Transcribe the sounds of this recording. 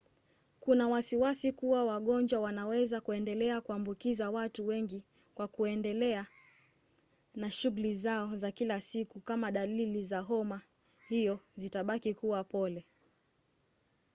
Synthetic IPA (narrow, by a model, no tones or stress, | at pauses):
kunawasiwasikuwawaɠɔnd͡ʒwawanawɛzakuɛndɛlɛakuambukizawatuwɛŋɡi | kwakuɛndɛlɛa | naʃuɣulizaɔzakilasikukamaɗalilizaɦɔma | hijɔzitaɓakikuwapɔlɛ